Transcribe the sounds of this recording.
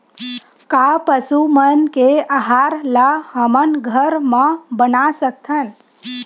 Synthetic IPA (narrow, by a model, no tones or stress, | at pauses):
kapəsumənkeaɦaɾlahəmənɡʱəɾmãbənasək̚t̪ʰən